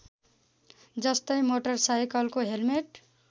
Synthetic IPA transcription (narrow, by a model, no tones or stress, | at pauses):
d͡zʌst̪ʌjmoʈʌrsajkʌlkoɦelmeʈ